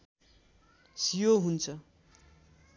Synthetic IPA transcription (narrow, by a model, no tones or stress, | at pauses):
sijoɦunt͡sʰʌ